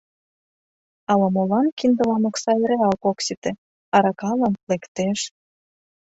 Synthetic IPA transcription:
ɑlɑmolɑnkind̪ə̆lɑnoksɑeɾeɑlkoksit̪ĕ | ɑɾɑkɑlənlekt̪eʃ

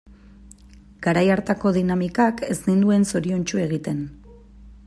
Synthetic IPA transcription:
ɡ̥aɾajaɾt̪ako̞ðinamikake̞znind̪ue̞nso̞ɾio̞nt͡ʃue̞ɣ̞it̪e̞n

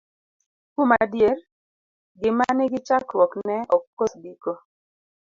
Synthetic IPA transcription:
kumadjer | ɡɪmanɪɡɪt͡ʃakwɔknɛɔkːosbiko

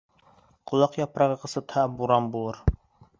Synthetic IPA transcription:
qʰʊlˠɑqjɑpɾɑʁəqʰəsɨt̪ʰæːbːuɾɑnbolˠɨɾ

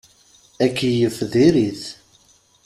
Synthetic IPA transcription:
ækːijəfðiɾiθ

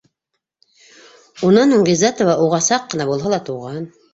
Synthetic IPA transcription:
unɑnuŋɡezat̪ovɑaʔuʁɑsɑqːɤ̆nɑbulˠɦɑlˠɑt̪uʁɑn

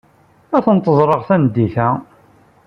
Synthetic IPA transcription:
æθənt̪ˤəzˤɾˤəʁθænd̪ːiθæ

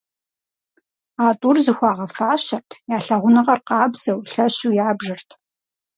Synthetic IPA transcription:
aːtʼurzɨxʷɑːʁɐfaːɕɐrtʰjaːɬɐʁʷʊnɨʁɐrqɑːbz̥ɐwɬɐɕuːjaːbʒɨrtʰ

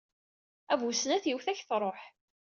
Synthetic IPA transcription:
ævusnæθjiwθæçθɾˤoħ

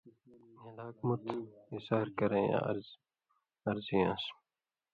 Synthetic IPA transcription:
elaːk̚mut̪isaːɾkɐɾẽjã̰ɾz | ɐɾziãs

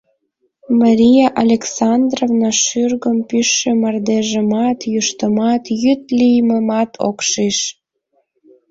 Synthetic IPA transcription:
mɑɾʲijaʔalʲeksɑnd̪rovnɑʃyrɣəmpyʃːemɑrd̪eʒəmɑt̪juʃt̪əmɑt̪jyt̪lijməmɑt̪ʰo̰kʃiʃ

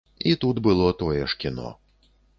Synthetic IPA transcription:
it̪ud̪bɨlˠɔt̪ɔjɛʂkʲinɔ̰

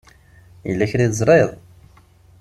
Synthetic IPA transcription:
jəlːæçɾiðzˤɾˤeðˤ

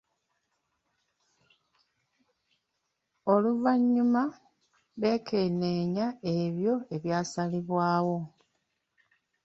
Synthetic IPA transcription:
o̞luvaɲːuma | βe̞ːkʰe̞ne̞ːɲae̞βjo̞e̞βjaːsaliβwaːwo̞

